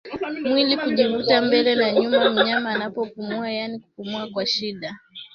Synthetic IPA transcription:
mwilikuʄivutambɛlɛnaɲumam̩ɲamaːnapɔpumuajanikupumuakwaʃiɗa

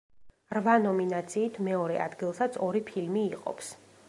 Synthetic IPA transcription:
ɾvanɔminat̪sʰiːt̪ʰmɛɔɾɛ̰ʔa̰d̪ɡilˠsat̪sʰɔɾipʰilmiːqʼɔ̰ps

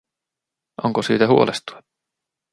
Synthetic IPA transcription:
ʔoŋkosiːt̪æhuolʔest̪u̥e

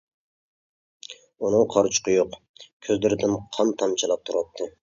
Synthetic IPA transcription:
unɨŋqʰɑɾt͡ʃʰqʰɨjoq | kʲʰøzlɪɾɪd̪ɪnqʰɑmt̪ʰɑmt͡ʃʰɑlˠɑp̚t̪ʰuɾɑpt̚t̪ʰːɨ

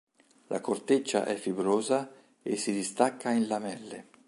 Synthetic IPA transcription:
lʔa̰kort̪et͡ʃːa̰ʔɛfːibɾoːza | esːid̪ist̪akːainlamɛlːḛ

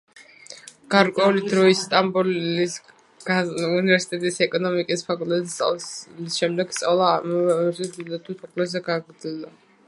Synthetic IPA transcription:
ɡ̥aɾkʼwɛulid̪ɾɔist̪ʼambuli̥ | univɛɾsi̥t̪ʼɛt̪ʼisɛkʼɔnɔmikʼispʰakʼulˠt̪ʼɛt̪ʼa̰lisʃɛmd̪ɛɡ̥st̪ʼavlˠamzɛd̪ild̪at̪ʰusʰɔpʰlɛzɛɡaːɡɾd̪ild̪a

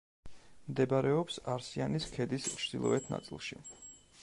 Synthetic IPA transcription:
md̪ɛbaɾɛɔpsaɾsianiskʰɛd̪ist͡ʃʰɾd̪̥ilˠɔ̰ɛt̪ʰna̰t̪sʼḭlˠʃḭ

